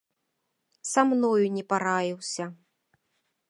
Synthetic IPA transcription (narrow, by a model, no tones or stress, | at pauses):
samnɔjunʲɛpaɾajiwsʲɐ